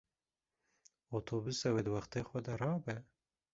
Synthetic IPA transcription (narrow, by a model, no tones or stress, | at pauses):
ot̪ʰobusawed̪waxt̪exwad̪aɾɑbe